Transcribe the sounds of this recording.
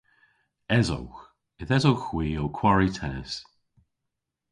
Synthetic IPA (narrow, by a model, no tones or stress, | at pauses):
ɛzo̰wx | ɪθɛzowxwiːowkʰw̥aɹitʰɛnɪ̰s